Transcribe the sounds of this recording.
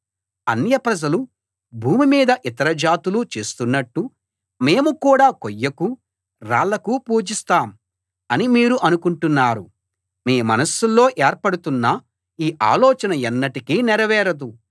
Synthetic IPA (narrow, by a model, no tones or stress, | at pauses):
ɐ̰njɐpɾɐd͡ʒɐlu | bʱuːmimiːd̪ɐʔit̪ɐɾɐd͡ʒaːt̪ulut͡ʃe̞ːst̪unːɐʈːu | me̞ːmukuːɽaːkojːɐku | ɾa̰ːlːɐkupuːd͡ʒist̪aːm | ɐnimiːɾuʔɐnukuɳʈunːaːɾṵ | miːmɐ̰nɐsulːo̞ːʔeːɾpɐɽut̪unːɐ | iːʔa̰ːlɔːt͡ʃɐnɐɛnːɐʈikiːnɛɾɐʋɛːɾɐd̪u